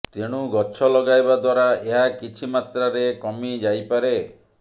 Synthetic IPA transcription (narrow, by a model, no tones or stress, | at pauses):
t̪eɽ̃uɡɔt͡ʃʰɔlɔɡajbad̪waɾaeɦakit͡ʃʰimat̪ɾaɾekɔmid͡ʒajpaɾe